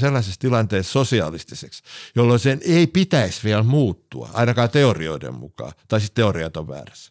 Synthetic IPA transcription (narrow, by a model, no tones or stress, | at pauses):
selːɑsest̪ilɑnt̪eːssosiɑ̰list̪iseksjolːoiseneipit̪æisʋiælmuːt̪ːṵɑ̰ɑ̰inɑkɑːt̪eorio̰idḛmmukɑ̰ːt̪ɑisit̪t̪eoriɑt̪oʋʋæ̰ːræs